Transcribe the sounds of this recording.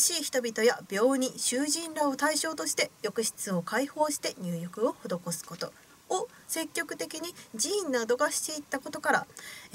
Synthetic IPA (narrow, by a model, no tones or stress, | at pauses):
ɕiːçi̥t̪obʲit̪o̞jab̥ʲjo̞ːɲ̟iɕɨːʑĩnɾao̞t̪aiɕo̞ːt̪o̞ɕi̥t̪e̞jo̞kɯ̟ɕi̥t͡sɨo̞kaiho̞ːɕi̥t̪e̞ɲ̟ɨːjo̞kɯ̟o̞ho̞d̪o̞ko̞sɨ̥ko̞t̪o̞ | o | se̞kʲːo̞kɯ̟̥t̪e̞kʲiɲ̟id͡ʑĩːnːad̪o̞ɡaɕi̥t̪e̞it̪ːako̞t̪o̞kaɾa̰